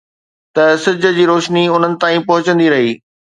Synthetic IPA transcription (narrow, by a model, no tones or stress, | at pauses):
t̪ɐsɪd͡ʑʱə̆d͡ʑiːɾoːʃniʊn̤ənɪ̆t̪aːĩpɐɦʊt͡ɕə̃nd̪iɾɐɦiː